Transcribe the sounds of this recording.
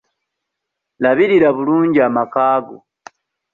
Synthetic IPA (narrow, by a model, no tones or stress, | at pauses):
laβiɾiɾaβuluːɲɟiamakaːɡo